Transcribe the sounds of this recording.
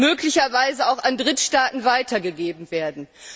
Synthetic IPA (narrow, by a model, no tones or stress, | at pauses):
møːklɪçɐvaɪzəaʊxandʁɪtʃtaːtn̩vaɪtɐɡəɡeːbm̩veːɐdn̩